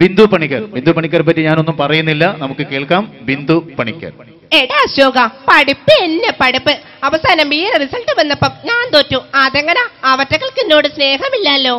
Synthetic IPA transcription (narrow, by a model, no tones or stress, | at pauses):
ʋind̪upɐɳikʲːɐɾʋind̪upɐɳikʲːɐɾpɐtːiɲaːno̞nːumpɐrɐjunːilːɐnɐmukːɨke̞ːɭkaːmʋind̪upɐɳikʲːɐ̰r | eɽaɕoːɡɐpɐɽupːɨenːepɐɽupːɨ | ɐʋɐsaːnɐmʋiːɾrisɐlʈɨʋɐnːɐpːɐmɲaːnt̪oːtːuɐðeŋːɐnɐːʋɐtːɐɣɐɭkinːo̞ːɽɨsne̞ːɦɐmilːɐlːo̞ː